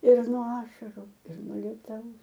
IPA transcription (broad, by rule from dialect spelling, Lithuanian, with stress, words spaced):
ɪr nuɔ ˈɑːʃɐrʊ ɪr nuɔ ˈlʲiɛtɐʊs